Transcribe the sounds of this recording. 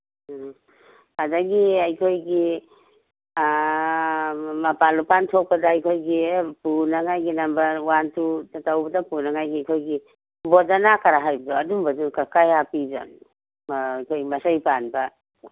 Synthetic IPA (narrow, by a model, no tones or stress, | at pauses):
adaɡiajkʰojɡi | mɐpalupantʰɔk̚pɐdaːjkʰojɡipunaŋajɡinambɐɾwantutatawbɐdapunaŋajɡiajkʰojɡi | bɔdanakaɾaɦajbɐdɔadumbadukakajapizɔ̰nː | jkʰojɡmasajpanba